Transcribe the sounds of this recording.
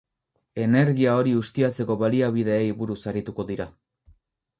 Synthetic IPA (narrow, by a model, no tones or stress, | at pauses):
e̞ne̞ɾɣiao̞ɾiust̪iat͡se̞ko̞βaliaβ̞iðe̞ːjβuɾusaɾit̪uko̞ðiɾa